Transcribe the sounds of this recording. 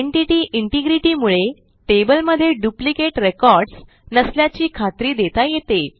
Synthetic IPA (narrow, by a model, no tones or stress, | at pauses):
eɳʈiʈiːʔiɳʈiɡɾiʈiːmuɭe | ʈebəlməd̪ʱːjeɖjuplikeʈɾekɔɾɖs | nəsljat͡ɕiːkʰat̪ɾiːd̪et̪ajet̪e